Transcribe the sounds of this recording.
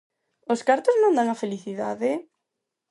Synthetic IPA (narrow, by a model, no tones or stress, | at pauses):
oskaɾt̪oznõnd̪aŋafeliθiðaðe